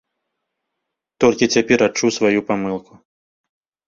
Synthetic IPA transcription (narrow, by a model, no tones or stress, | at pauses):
t̪ɔlʲkʲit͡sʲapʲɛɾat͡ʂusvajupamɨlˠku